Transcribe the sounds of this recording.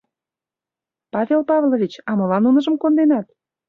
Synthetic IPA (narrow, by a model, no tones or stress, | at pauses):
pɑvʲelpɑvlovʲit͡ɕɑmɤ̆lɑnunɤ̆ʒə̆mkond̪enɑt̪̚